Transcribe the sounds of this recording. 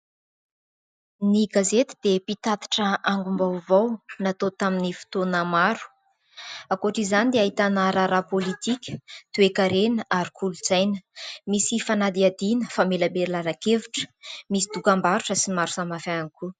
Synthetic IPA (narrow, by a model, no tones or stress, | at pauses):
niɡazet̪i̥d̪̥epit̪at̪i̥ʈ͡ʂəaŋɡumbawvawnat̪ot̪aminifi̥t̪onamaɾu̥ | akoʈ͡ʂizanid̪eaɦit̪anaɾaɾapolit̪ikʲə̥t̪uekaɾenəʔaɾikʰuluz̥ajnəmisifanad̪iad̪inəfameləmeɾilaɾakevuʈ͡ʂə̥misid̪ukambaɾuʈ͡ʂəsimaɾusamafaniku